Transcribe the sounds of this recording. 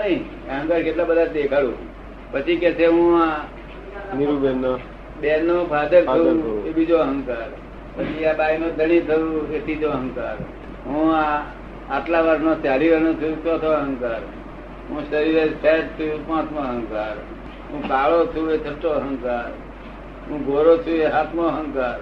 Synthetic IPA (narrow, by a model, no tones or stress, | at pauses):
nəĩ | eɦə̃ŋkaɾkeʈlabəd̪ʱad̪ekʰalṵ̃ | pət͡ʃʰikɛt͡ʃʰeɦũa | niɾuben | benːobʰʱad̪ʱəkt̪ʰebid͡ʒoəɦə̃ŋkaɾ | pət͡ʃʰiabainõd̪ʱəɽit̪ʰəʋũet̪id͡ʒoəɦə̃ŋkaɾ | ɦũaː | ʈlaʋaɾnõt͡ʃjaɾiɾənõt͡ʃʰut͡ʃot̪ʰoəɦəŋkaɾ | ɦũʃəɾiɾesʰeʈ̚t̪ʰupãt̪ʰmoɦə̃ŋkaɾ | ɦũt̪aɭot͡ʃʰuet̪ʰəʈoəɦəŋkaɾ | ɦũɡʱoɾot͡ʃʰueɦat̪ʰmoəɦəŋkaɾ